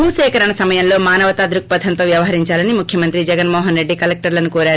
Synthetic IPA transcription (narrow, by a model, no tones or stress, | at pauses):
bʱuːʃɛːkɐɾɐɳɐsɐmɐjɐnlo̞ːmaːnɐʋɐt̪aːd̪ɾuk̚pɐd̪ʰʱɐnt̪o̞ːʋjɐʋɐɦɐɾiɲt͡ʃaːlɐnimukʰjɐmɐnt̪ɾid͡ʒɛɡɐnmɔːɦɐnɾe̞ɖːikɐlek̚ʈɐɾlɐnukoːɾaːɾu